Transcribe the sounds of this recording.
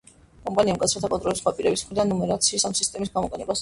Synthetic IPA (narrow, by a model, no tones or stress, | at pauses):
kʼɔmpʼaniamkʼat̪sɾɛt̪ʰakʼɔnt̪ʼɾɔlɛsχwapʼiɾɛbismχɾid̪anːɔmɛɾat̪sʰiːsamsist̪ʼɛmisɡamɔqʼɛnɛbas